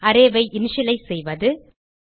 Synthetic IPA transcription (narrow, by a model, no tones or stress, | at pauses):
ɐɾeːʋɐɪʔɪnʃɪlɐɪsɛjʋɐðɯ